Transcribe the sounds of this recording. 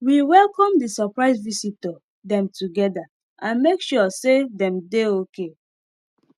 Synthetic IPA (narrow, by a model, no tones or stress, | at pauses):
wiwɛlkɔ̃mdisɔpɹaɪsvisitɔ | dɛ̃mtuɡɛda | ʔãnmekʃusedɛ̃mdeoke